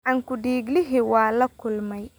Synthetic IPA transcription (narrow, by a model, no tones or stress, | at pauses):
ʔɐŋkʊɖiːɡlɪɦiwɑːlɐkʰʊlmɛj